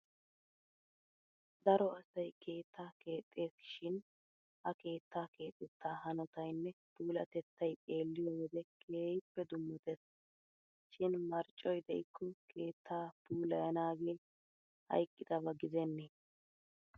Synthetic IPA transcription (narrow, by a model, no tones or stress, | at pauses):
d̪ɐɾɔɐsɐjkʰe̞ːt̪ːaːkʰe̞ːt̪ʼːe̞ːsɪ̥ʃɪn | ʔɐke̞ːt̪ʰːaːke̞ːt̪ʼːɛt̪ːaːhɐnɔt̪ɐjnːɛpuːlɐt̪ɛt̪ːɐjt̪ʼe̞ːlːɪjɔwɔd̪ɛkʰe̞ːjɪpːɛd̪ʊmːɔt̪ɛs | ʃɪnmɐɾt͡ʃʼːɔjd̪ɛʔɪkːɔkʰe̞ːt̪ʰːaːpuːlɐjɐnaːɡe̞ː | hɐ̰jkʼːɪd̪ɐβɐɡɪzɛnːeː